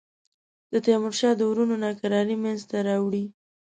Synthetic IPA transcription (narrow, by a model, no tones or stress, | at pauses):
d̪̥ət̪amʊɾʃɑd̪əwɾunonɑkaɾɑɾimanzt̪aɾɑwɽi